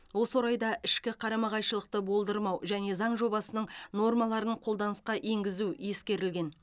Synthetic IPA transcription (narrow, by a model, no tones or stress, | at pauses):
wo̞swoɾɑjd̪ɑʔɪʃkʲɪqʰɑɾɑmɑʁɑjʃəlˠəq̚t̪əbo̞lˠd̪əɾmɑwʒæne̞zɑɴʒo̞bɑsənəɴno̞rmɑlˠɑɾəɴqʰo̞lˠd̪ɑnəsqɑʔe̞ŋɡʲɪzuje̞skʲe̞ɾɪlɡʲe̞n